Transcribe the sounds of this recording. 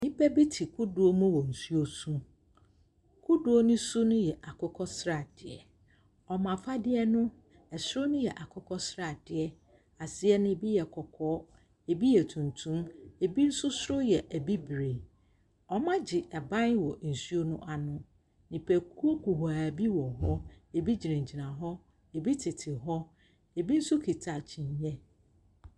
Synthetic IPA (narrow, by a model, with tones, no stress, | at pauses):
nɪ̃˦pʰɛ˦bi˦tʰi˨kʰʊ˦du˨o˦mũ˦wɔ˨n̩˨su˦o˦su˦ | kʰʊ˦du˨˦o˦nʊ̃˦sʊ˦nʊ̃˦jɛ˨ʔa˨kʰɔ˦kʰɔ˦sɾa˨d̥ɪ˨ɛ˨ | ɔ˨mã˨fa˦dɪ˦ɛ˦nʊ̃˦ | ɛ˨sɾʊ˦nʊ̃˦jɛ˨ʔa˨kʰɔ˦kʰɔ˦sɾa˨d̥ɪ˨ɛ˦ | a˨sɪ˦ɛ˦nɪ̃˦bi˦jɛ˨kʰɔ˨kʰɔː˦ | e˨bi˦jɛ˨tʰũ˨ntʰũ˦me˨bi˦n̩˦sʊ˦sʊ˦ɾʊ˦jɛ˨ʔæ˨bi˦bɾe˨ | ɔ˦mã˦d͡ʑɪ˨ʔɛ˨bã˦nwɔ˨n̩˨su˦o˦nʊ̃˦ʔa˨nʊ̃˦ | nĩ˨pʰɛ˨kʰu˦o˦ku˨ha˨bi˦wɔ˨ɦɔ˦e˨bi˦d͡ʑi˨ɾẽ˨ɲ̩˨d͡ʑi˨nã˨ɦɔ˦ | e˨bi˦tʰɪ˨tʰɪ˨ɦɔ˦ | e˨bi˦n̩˦sʊ˦kʰi˨tʰa˨t͡ɕʰĩ˨ɲː˦ɛ̃˦